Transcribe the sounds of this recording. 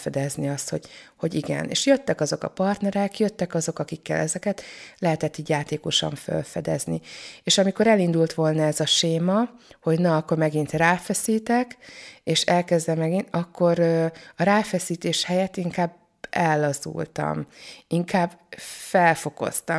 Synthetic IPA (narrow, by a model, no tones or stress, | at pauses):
fɛd̪ɛzniɒst̪ho̞ɟ̥ho̞ɟiɡɛ̰nḛːʃjøt̪ːɛkɒzo̞kɒ̰pɒrt̪nɛɾɛkjøt̪ːɛkɒzo̞kɒkikːɛ̰lɛzɛkɛt̪lɛɦɛt̪ɛt̪ːiːɟjaːt̪eːko̞ʃɒ̰ɱfø̰lfɛd̪ɛ̰znḭeːʃɒmiko̞ɾɛlind̪ult̪ʋo̞lnɒɛzɒʃeːmɒho̞ɟnɒːkːormɛɡint̪raːfɛsiːt̪ɛkeːʃɛlkɛzd̪ɛmɛɡinɒkːo̞ɾøɒɾaːfɛsiːt̪eːʃhɛjɛt̪iŋkaːb | ɛlːɒzṵlt̪ɒ̰miŋkaːbːfɛlfo̞ko̞̰st̪ɒ